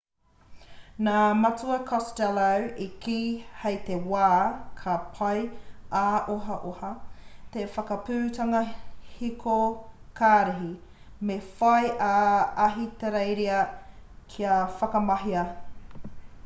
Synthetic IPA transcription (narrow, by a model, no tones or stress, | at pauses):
naːmɐt͡suɐkʰɔstɛlɐwikiːhejt̪ewaːkʰɐpʰɐjʔaːʔoɦɐʔohɐt̪efɐkɐpʉːtɐŋɐhikʰokʰaːɾiɦi | mefɐjʔaɐɦit̪eɾejɾiɐkʰiɐfɐkɐmɐɦiɐ